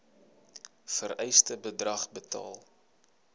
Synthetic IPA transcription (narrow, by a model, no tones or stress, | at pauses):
fəɾɛjstəbədrɐχbətɑ̰ːlˠ